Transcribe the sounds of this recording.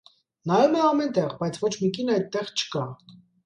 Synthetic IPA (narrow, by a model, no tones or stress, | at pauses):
nɑɾumɛɑmɛnt̪ɛʁbɑjt͡sʰvɔt͡ʃʰmikinɑjt̪ːɛʁt͡ʃʰə̥kɑ